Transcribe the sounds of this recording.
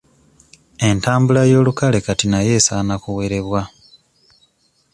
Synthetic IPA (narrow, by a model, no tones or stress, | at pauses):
e̞ntaːmbulajo̞ːlukale̞katinaje̞ːsaːnakuwe̞ɾe̞βwa